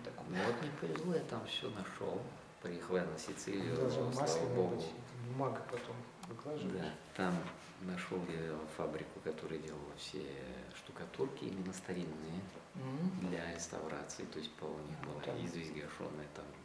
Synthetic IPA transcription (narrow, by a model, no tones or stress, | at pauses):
t̪ɐkmnvot̪nʲɪpəvʲɪzlˠojat̪amfsʲonɐʂo̰lˠ | pɐjexəlˠjanəsʲɪt̪sɨlʲɪj̪aboɡbʊmaɡəpɐt̪om | vɨɡlˠɐʒd̪at̪am | nɐʂolˠjafabɾʲɪkʊkɐt̪o̞ɾɨjədʲe̞lˠəlˠəfsʲḛʂt̪ʊkɐt̪urkʲɪ̰ḭmʲɪnːəst̪ɐɾʲinːɨjə | d̪lʲɐɾʲɪst̪ɐ̰vɾa̰t̪sɨɪt̪o̞ɪsʲt̚ʲpɐnʲixbɨlˠaizvʲezʲɡɐʂo̞̰nːəjət̪am